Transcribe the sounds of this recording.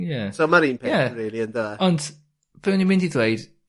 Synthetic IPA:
jasomaɾiːnpʰjaɾiːlˠiəndəɛɔnd | vɛnimɪ̃ndidwejd̥

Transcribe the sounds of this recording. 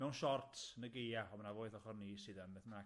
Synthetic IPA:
mɛwnʃɔrtʰnəɡejaɔmanavoːɨθɔχɔrnisɨdambɛθəna

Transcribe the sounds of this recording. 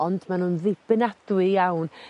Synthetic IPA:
ɔndmanhunðɪb̥ɪnad̥wɪjawn

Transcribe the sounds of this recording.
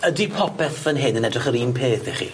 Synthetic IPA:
ədipʰɔpʰɛθvənɦɪdənɛdrɪχəɾiːmpʰeːθɛχḭ

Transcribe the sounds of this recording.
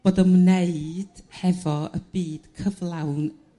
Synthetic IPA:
b̥oːdəmneɨd̥hɛvɔə̰b̥iːd̥kʰəvlˠawn

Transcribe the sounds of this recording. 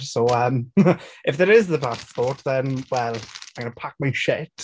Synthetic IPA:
soəmɪfðəɹɪzðəpʰaspɔɹtðə̃nwɛlˠaɪmɡʌ̃nəpʰak̚maɪəʃɪt

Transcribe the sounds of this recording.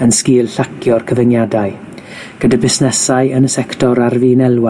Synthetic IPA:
ənskiːlˠɬakʰjɔrkʰəvənjadaɨ | ɡ̥ədabɪsnɛsaɨənəsɛktʰɔɾarviːnɛlˠwa

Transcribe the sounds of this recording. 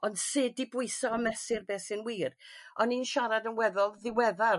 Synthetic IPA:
ɔnd̥seːdibʊɨsɔɔmɛsɪrbeːsɪnwiːrɔniːnʃaɾadənwɛðɔlˠðɪwɛða

